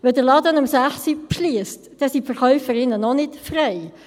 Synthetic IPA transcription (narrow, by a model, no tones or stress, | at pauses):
ʋɛdəɾlɑːdənɑmsæχsipʃliəstd̥ɛsifəɾχœʏfəɾɪnənɔnɪtfrɛɪ